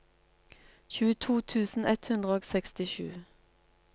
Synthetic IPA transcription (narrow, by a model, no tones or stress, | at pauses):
çʉːət̪ʰuːt̪ʰʉːsn̩ɛt̪hʉnd̪ʁəoːɡsɛkst̪ɪʃʉ̰ː